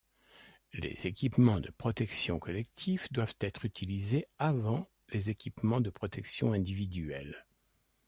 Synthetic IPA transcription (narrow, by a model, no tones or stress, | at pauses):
lḛz̥ekʲipmɑ̃d̪əpχɔt̪ɛksjɔ̃kɔlɛkt̪ʰifd̪wav̥t̪ɛt̪χyt̪ʰilizeavɑ̃ | lezekʲipmɑ̃d̪əpχɔt̪ɛksjɔ̃ɛ̃d̪ivid̪ɥɛl